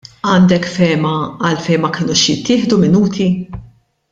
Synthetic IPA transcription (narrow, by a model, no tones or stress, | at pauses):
ɐːnd̪ɛkfɛːmɐɐlfɛjnmɐkɪːnuːʃjɪt̪ːɪːħd̪umɪnuːt̪ʰi